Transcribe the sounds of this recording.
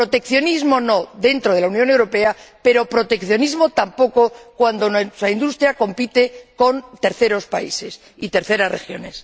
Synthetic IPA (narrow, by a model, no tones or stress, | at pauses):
pɾo̞t̪e̞kθjo̞nizmo̞no̞ðe̞nt̪ɾoð̞e̞launjone̞wɾo̞pe̞ape̞ɾo̞pɾo̞t̪e̞kθjo̞nizmo̞t̪ampo̞ko̞kwand̪o̞nsaind̪ust̪ɾjako̞mpit̪e̞ko̞nt̪e̞ɾθe̞ɾo̞spa̰ḭse̞s | it̪e̞ɾθe̞ɾazre̞̰xjo̞̰ne̞s